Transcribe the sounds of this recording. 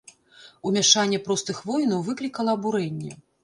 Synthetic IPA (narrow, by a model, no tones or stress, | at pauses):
umʲaʂanʲːɛpɾɔst̪ɨxvɔjnɐwvɨklʲikɐlˠɐːbuɾɛnʲːɛ